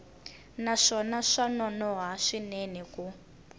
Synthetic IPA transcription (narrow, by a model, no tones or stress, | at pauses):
naʂɔnaʂanɔnɔɦaʂinɛniku